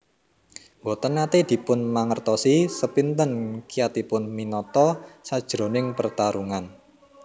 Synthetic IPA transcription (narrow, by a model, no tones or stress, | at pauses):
wɔt̪ənkat̪ed̪̥i̤pʊnmaŋərt̪ɔsisəpint̪ənkijat̪ipʊnminɔt̪ɔsad̥ʒ̥ɾonɪŋpərt̪aɾuŋan